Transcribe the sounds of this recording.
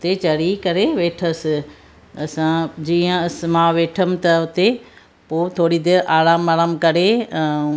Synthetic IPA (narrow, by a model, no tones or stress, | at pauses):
ʊt̪et͡ɕɐɽikɐɾeʋeːʈʰəsɪ | ɐsãd͡ʑiːə̃ɐs̆mãːʋeːʈʰəmɪ̆t̪ɐʊt̪e | poːt̪ʰoːɽid̪eʔaːɽaːmːaːɾaːmkɐɾẽ